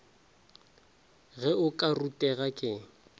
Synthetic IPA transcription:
ɣɛʊkʼarutʼɛɣakʼɪ

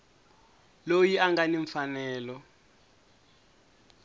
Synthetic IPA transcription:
lojiaŋɡaniɱfanɛːlɔ

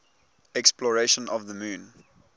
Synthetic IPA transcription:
ɛksplɔɹeʃə̃nʔɔvðəmũːn

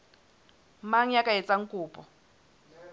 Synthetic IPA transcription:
maɲakʼaɛt͡sʼaŋ̩kʼuːpʼɔ

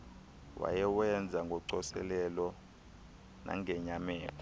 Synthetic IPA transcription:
wa̰jɛwɛnd͡zʱaŋɡʱɔǀɔsɛ̰lɛlɔ | nʔa̰ŋɛɲamɛːlʰɔ

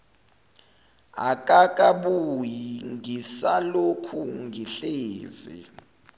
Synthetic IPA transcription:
a̰kʼakʼaɓujiŋʱisalokʰuŋɡʱiɬeːzḭ

